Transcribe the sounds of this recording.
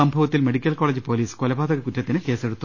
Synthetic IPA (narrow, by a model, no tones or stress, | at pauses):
ɐmbʱɐʋɐt̪ːilme̞ɽikʲːɐlko̞ːɭeːd͡ʑɨpo̞ːliːskolɐbʱaːd̪ɐɣɐkutːɐt̪ːinɨke̞ːse̞ɽut̪ːu